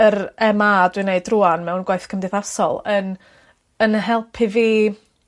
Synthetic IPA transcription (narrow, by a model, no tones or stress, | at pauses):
əɾɛmaːdwɨneɨdruːanmɛwnɡwaɨθkʰəmdɪðasɔ̰lˠən | ənɦɛlˠpʰiviː